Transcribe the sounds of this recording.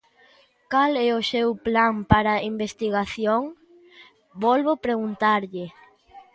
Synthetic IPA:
kalɛʊsewplampaɾɐimbest̪iɣaθjoŋ | bɔlβopɾeɣunt̪aɾʎɪ

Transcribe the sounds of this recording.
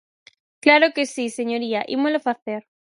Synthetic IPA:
klaɾokesiseɲoɾiaʔḭmolofaθeɾ

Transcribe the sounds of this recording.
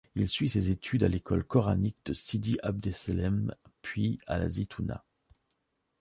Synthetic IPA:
ilsɥisezet̪ʰyd̪alekʰɔlkɔʁanik̚d̪̥əsid̪iʔab̚d̪eselɛmpʰɥia̰la̰zit̪ʰuna̰

